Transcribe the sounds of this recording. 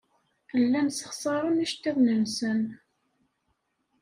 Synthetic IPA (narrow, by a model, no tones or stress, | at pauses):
θəlːænsə̥χsˤɑɾˤəniʃt̪ːiðnənsən